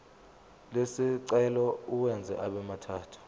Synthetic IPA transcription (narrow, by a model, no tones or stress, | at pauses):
lesiǀɛlɔuwɛnd͡zʱɛ̰ʔaɓɛmatʰaːtʰu̥